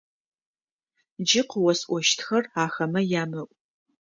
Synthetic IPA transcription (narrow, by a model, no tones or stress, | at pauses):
d͡ʒɪqwɔsʔʷɔʃtʰxɐraːxɐmɐjaːmɐʔʷʼ